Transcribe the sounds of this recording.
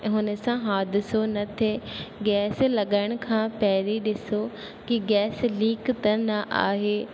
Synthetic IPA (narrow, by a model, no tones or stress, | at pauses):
ɦʊnesãːɦaːd̪ɪsoːnət̪ʰːeːɡɛːsləɡəɳkʰãːpɛːɾiːd̪ɪsoː | kiɡɛːsliːkt̪ənaʔa̰ːɦeː